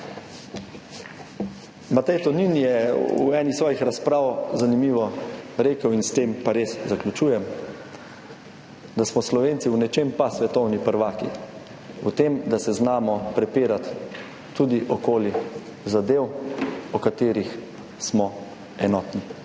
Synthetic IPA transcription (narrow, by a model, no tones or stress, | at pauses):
mat̪ɛjt̪ɔninjɛṵɛnisʋɔːjixɾaspɾaːwzanimiːʋɔɾeːkəwinst̪eːmpaɾeːszaklʲut͡ʃuːjɛm | d̪asmɔslɔʋeːnsiwnɛt͡ʃempasʋɛt̪ɔwnipəɾʋaːkḭ | ut̪emd̪asɛznaːmɔpɾɛpiːɾat̪ː | uːd̪iʔɔkoːli | zad̪ewɔkat̪eːɾix | smɔ | ɛnɔːt̪ni